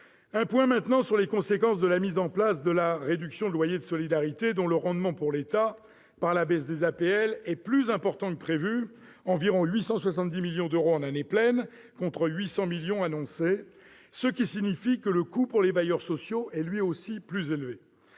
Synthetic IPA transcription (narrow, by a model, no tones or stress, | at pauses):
ɛ̃pwɛ̃mɛ̃t̪nɑ̃syʁlekɔ̃sekɑ̃s̬d̪əlamizɑ̃plasd̪əlaʁed̪yksjɔ̃d̪əlwajed̪əsɔlid̪aʁit̪ed̪ɔ̃ləʁɑ̃d̪mɑ̃puʁlet̪a | paʁlabɛs̬d̪ezapeɛlɛplyzɛ̃pɔʁt̪ɑ̃kəpχevy | ɑ̃viʁɔ̃ɥisɑ̃swasɑ̃t̪̚d̪imiljɔ̃d̪øʁoɑ̃naneplɛn | kɔ̃t̪χəɥisɑ̃miljɔ̃anɔ̃se | səkʲisiɲifikələkupuʁlebajœʁsɔsjoʔɛlɥiosiplyzelve